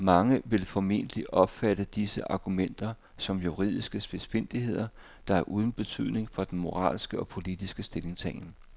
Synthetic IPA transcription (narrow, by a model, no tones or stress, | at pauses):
mɑ̈ŋəʋe̝lfɒ̽me̝̰n̰d̥əliʔɒ̽b̥fæd̥əd̥isəʔɑ̈ɡ̥umen̰d̥ɐ | sɒ̽mjuʁið̞̰ˠisɡ̥əsb̥e̥sfe̝n̰d̥iɦe̝ð̞̰ˠɐ | d̥ɑ̈æɐʔuːð̞ˠn̩b̥e̝t͡sʰy̰ð̞̰ˠne̝ŋfɒ̽d̥enmo̝ʁɑ̰̈ːlsɡ̥əɒ̽pʰo̝lid̥isɡ̥əsd̥e̝le̝ŋsʰɛ̰ːɪn